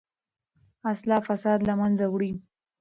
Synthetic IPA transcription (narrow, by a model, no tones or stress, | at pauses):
aslɑfasɑd̪lamanzawɽi